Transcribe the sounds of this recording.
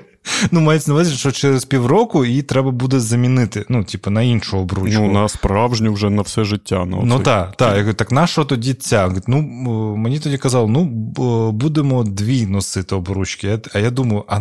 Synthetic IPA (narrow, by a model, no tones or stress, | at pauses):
numajet̪ʲsʲɐnɐʋɪzʲɪʃt͡ʃɔt͡ʃɛɾespʲiwrɔkʊit̪ɾɛbɐbud̪ɛzɐmʲinɪt̪ɪnutʲipɐnɐinʃʊɔbɾunt͡ʃ̪unɐspɾɑwʒnʲiwʒɛnɐfsɛʒɪtʲːa̰nɐ̰nut̪ɑt̪ɑjakt̪ɑknɑʃɔɦɔt̪ɔdʲit͡sʲːat̪ʲnumenʲit̪ɔdʲikɐzɑlˠɪnu | bud̪emɔd̪ʋʲinɔsɪt̪ɪɔbɾut͡ʃkɪjaɐjad̪umɐjʊʔɐ